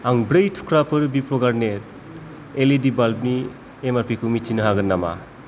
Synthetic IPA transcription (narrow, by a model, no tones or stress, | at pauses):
aŋbɾɯjtʰu̥kʰɾapʰɯɾbipʰɾɔɡaɾnet̚ | elidibalb̚ni | emaɾpʰikʰumitʰinɯɦaɡɯnːama̰